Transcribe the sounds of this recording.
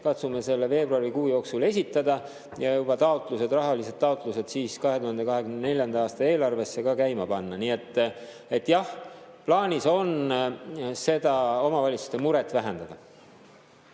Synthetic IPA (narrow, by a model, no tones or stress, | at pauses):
kɑt̪sumese̞lːeve̞ːbruɑɾikuːjo̞ːksule̞sʲit̪ˑːɑd̪ɑ | jɑjub̥ɑt̪ɑot̪ˑluse̞d̪rɑɦɑlise̞d̪̥t̪ːɑot̪ˑluse̞d̪̥siːskɑɦe̞t̪uhɑnd̪e̞kɑɦe̞kymnene̞lʲjɑnd̪̥ɑɑːst̪ɑe̞ːlɑrve̞sːe̞kɑkæjmɑpɑnːɑniːe̞t̪ːˑ | e̞t̪ːjɑhplɑːnʲiso̞n | se̞d̪̥ɑo̞mɑvɑlit̪su̥st̪e̞muɾet̪ːvæɦend̪̥ɑd̪̥ɑ